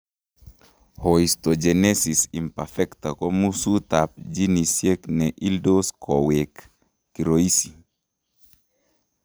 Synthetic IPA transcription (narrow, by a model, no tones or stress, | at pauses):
hoist̪od͡ʒenesisimpafɛkt̪akomusut̪ap̚d͡ʒinisjeknɛʔildoskʰɔwekː | iɾoisi